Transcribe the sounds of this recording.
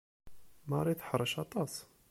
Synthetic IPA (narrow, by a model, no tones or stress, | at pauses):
mɑɾˤiθħəɾˤəʃɑt̪ˤɑs